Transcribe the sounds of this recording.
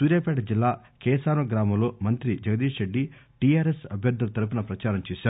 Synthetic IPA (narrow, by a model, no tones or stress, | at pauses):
suːɾjaːpɛːʈɐd͡ʒilːaː | kɛːsaːɾɐɡɾaːmɐmlo̞ːmɐnt̪ɾid͡ʒɐɡɐd̪iːʂɾeɖːiʈiːaːɾesɐbʱjɐɾd̪ʱulɐt̪ɐɾup̬inɐpɾɐt͡ʃaːɾɐmt͡ʃeːsaːɾu